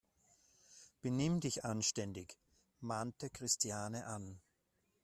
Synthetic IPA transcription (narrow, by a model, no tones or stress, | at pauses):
b̥ənɪmdɪçʔanʃtɛndɪç | maːntəkʁ̥ɪstjaːnəʔan